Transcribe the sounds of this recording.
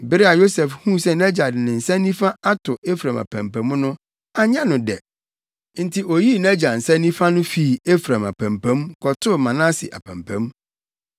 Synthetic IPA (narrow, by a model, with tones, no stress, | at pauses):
bɪ˨˦ɾɪ˦a˨jo˦sɛ˨fhũ˦sɛ˦næ˦d͡ʑa˨dnɪ̃˨n̩˨sɛ̃˦nːĩ˦fa˦a˦tʰʊ˨e˦fɾã˨ma̰˨pʰæ̰̃˨mpʰæ̃˨˦mnʊ̃˦ | a˨ɲã˦nʊ̃˨dɛ̰˨ | n̩˨˦tʰɪ˨ʔo˨ji˦˨næ˦d͡ʑa˨n̩˨sɛ̃˦nĩ˦fa˦nʊ̃˦fi˦˨e˦fɾã˨ma̰˨pʰæ̃˨mpʰæ̃˨˦mkʰɔ˨tʰʊ˦mã˨nã˦sɪ̰˨ʔa̰˨pʰæ̃˨mpʰæ̰̃˦m